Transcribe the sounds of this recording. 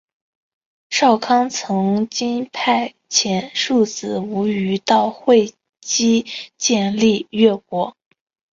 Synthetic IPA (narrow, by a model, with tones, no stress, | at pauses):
ʂɑ˥˩ʊkʰɑ˥ŋt͡sʰɤ˧˥ŋt͡ɕi˥npʰa˥˩ɪ | t͡ɕʰjɛ˨˩nʂu˥˩t͡sɹ̩˨˩u˧˥y˧˥t̪ɑ˥˧ʊxwe˥˧ɪ | t͡ɕi˥t͡ɕjɛ˥˧nli˥˧ɥɛ˥˩kwɔ˧˥